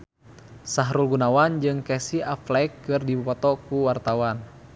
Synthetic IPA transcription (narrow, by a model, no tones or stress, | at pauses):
saɦɾulɡunawand͡ʒɨŋkɛsiaflɛjkːɨrdibupɔt̪ɔkuwart̪awan